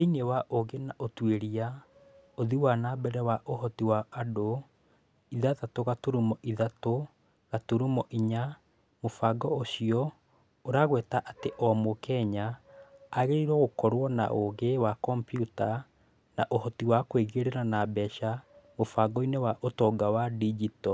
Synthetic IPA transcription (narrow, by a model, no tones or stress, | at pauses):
inewaʔoɣenaʔotweɾia | oðiwanabɛɾɛwaʔohɔtiwaado | iðaðatoɣatoɾumɔʔiðato | ɣatoɾumɔʔiɲa | mofaɡɔoɕiɔ | oɾaɣwɛtaʔateʔɔmokɛɲaː | ɣeɾiɾwɛɣokɔɾwɔna̰ʔoɣewakɔmpjuta | naʔohɔtiwakweɣeɾeɾanabɛʃamofaɡɔinewaʔotɔːɡawadid͡ʒitɔ